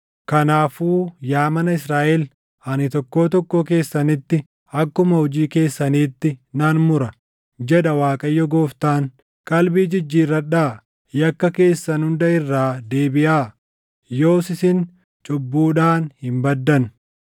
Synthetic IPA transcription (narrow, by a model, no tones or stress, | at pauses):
kɐnaːfuːjaːmɐnɐɪsɾaːʔɛl | hɐnɪt̪ɔkːo̞ːt̪ɔkːoːke̞ːsːɐnɪt̪ːɪ | ɐkːʊmɐhɔd͡ʒiːke̞ːsːɐniːt̪ːɪnaːnmʊɾɐ | d͡ʒɛᶑɐwaːkʼɐjːɔɡoːft̪aːŋ | kʼɐlbiːd͡ʒɪd͡ʒːiːrːɐᶑaː | jɐkːɐke̞ːsːɐnhʊnd̪ɐɪrːaːd̪e̞ːbɪʔaː | jo̞ːsɪsɪn | t͡ʃʼʊbːuːᶑaːnhɪmbɐd̪ːɐn